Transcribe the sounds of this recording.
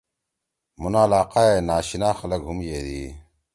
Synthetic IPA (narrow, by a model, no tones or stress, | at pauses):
munaːlaːqaːenaːɕinaːxɐlɐɡʱumjeːd̪iː